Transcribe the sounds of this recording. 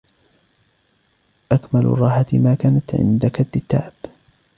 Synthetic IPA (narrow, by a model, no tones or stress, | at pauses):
ʔakmalʊ̰rˤɑːħat̪maːkaːnat̪ʕɪ̰nd̪akad̪ːɪt̪ːa̰ːb̥